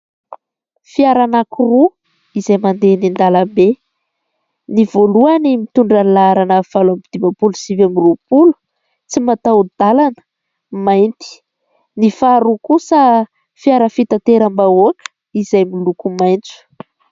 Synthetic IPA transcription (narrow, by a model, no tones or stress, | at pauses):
fiaɾanakuru | izajmand̪enind̪alambe | nivoluanimit̪uɳɖ͡ʐanilaɾanəv̥alamid̪̥imapulusivamirupulu̥ | t͡simat̪awd̪̥alanə̥ | majnt̪i̥ | nifaɾukusa | fiaɾəfit̪at̪eɾambaoakə̥ | izajmilukumajnt͡su̥